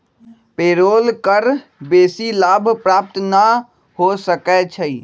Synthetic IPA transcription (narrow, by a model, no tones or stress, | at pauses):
peːɾoːlkəɾbeːsilaːbʱpɾaːp̚t̪na | hosəkɛt͡ʃʰəi